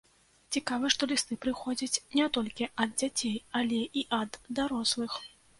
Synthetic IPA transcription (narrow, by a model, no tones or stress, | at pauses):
t͡sʲikavɨʂt̪ɔlʲist̪ɨpɾɨxɔd͡zʲɐt͡sʲnʲɛt̪ɔlʲkʲiɐd̪̚d͡zʲat͡sʲejalʲɛʔiʔɐd̪ːaɾɔslˠɨx